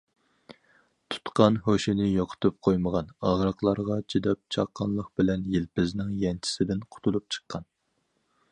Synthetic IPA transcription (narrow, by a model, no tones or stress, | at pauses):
t̪ʰu̥t̪qɑnɦoʃɪnɪjoqʰʊ̥t̪ʰup̚qʰojməʁɑnɑʁɾəqlˠɑɾʁɑt͡ʃʰid̪ɛp̚t͡ʃʰɑ̰qʰːɑnlˠəq̚b̥ɪlɛnjilpɪznɪŋjɛnt͡ʃʰi̥sɪd̪ɪnqʰʊ̥t̪ʰulˠup̚t͡ʃʰə̥qʰːɑn